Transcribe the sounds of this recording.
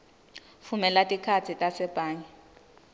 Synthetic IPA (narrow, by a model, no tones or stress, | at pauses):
fumɛlatʼikʰat͡sʰitʼasɛpʼaːɲɛ